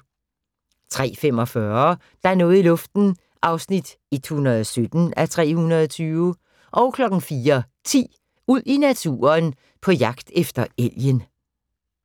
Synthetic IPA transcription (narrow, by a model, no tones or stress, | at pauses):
t͡sʰʁɛ̰ːfem̰ɒ̽fɶɐ | d̥ɑ̈æɐnɔ̽ːð̩ˠilɔ̽fd̥n̩ | ʔɑ̈ʊsnid̥ | it͡sʰunɐðˠsød̥n̩æt͡sʰʁɛ̰ːhunɐðˠɒt͡sʰyːʊ | ʔɒ̽ʊkʰlɒ̽ɡ̥n̩fiːɐ | t͡sʰḭː | uð̰ˠinæt͡sʰṵːɐn | pʰɒ̽jɑ̈ɡ̥d̥efd̥ɐel̰jən